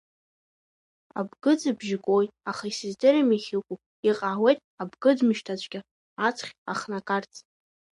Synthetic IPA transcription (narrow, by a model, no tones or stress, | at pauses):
a̰bɡɨd͡zɨbʒɪkʼojaχaisɨzdeɾamiχʲikʷʼu | iqʼaːwejtʼabɡɨdmɨʃtʰat͡ɕʷʼɡʲa | at͡sʰχʲaχnakʼart͡sʼ